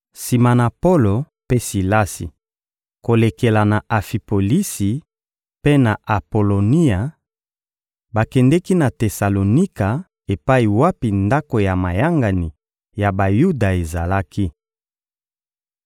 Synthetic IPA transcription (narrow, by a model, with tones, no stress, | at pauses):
si˨ma˨na˨po˦lo˨ | pe˦si˨la˦sḭ˨ | ko˨le˨ke˨la˨na˨a˨fi˨po˨li˦si˨ | pe˦na˨ʔa˨po˨lo˨ni˦a˨ | ba˨kɛ˨ndɛ˦ki˦na˨te˨sa˨lo˨ni˦ka˨ | e˨pa˦i˨wa˦pi˨nda˦ko˨ja˨ma˨ja˦ŋɡa˨ni˨ | ja˨ba˨ju˦da˨e˨za˨la˦ki˦